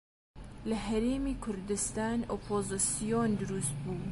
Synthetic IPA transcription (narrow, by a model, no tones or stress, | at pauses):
lɐɦæɾeːmiːkʰʊɾd̪ɪst̪ɑːnʔoːpʰoːzɨsijond̪ʊɾuːst̪̚buː